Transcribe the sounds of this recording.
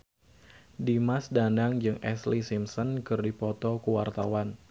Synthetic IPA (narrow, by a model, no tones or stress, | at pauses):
dimasdandaŋd͡ʒɨŋʔɛslisimsɔnkɨrdipɔt̪ɔkuwart̪awan